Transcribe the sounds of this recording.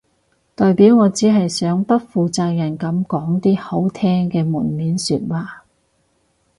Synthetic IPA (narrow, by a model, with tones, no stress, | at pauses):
t̪ɔː˨jpiː˨˥wŋɔː˨˧t͡siː˨˥ɦɐ˨jsœː˨˥ŋpɐ˥t̚fuː˨t͡saː˧k̚jɐ˨˩nkɐ˨˥mkɔː˨˥ŋt̪iː˥ho˨˥wt̪ʰɛː˥ŋkɛː˧muː˨˩nmiː˨˥nsyː˧t̚waː˨˩